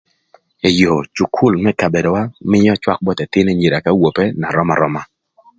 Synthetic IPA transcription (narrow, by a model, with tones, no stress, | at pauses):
e˨jo˨t͡ʃu˨kʰu˦˨lmɛ˦ka˨be˨dɔ˨wa˦mɪ˦jɔ˦t͡ʃwa˦k̚bɔ˦t̪ɛ˨tɪ˦ne˦ɲi˨ɾa˨ka˦wo˨pɛ˦na˨ɾɔ˦ma̰˨ɾɔ˦ma˦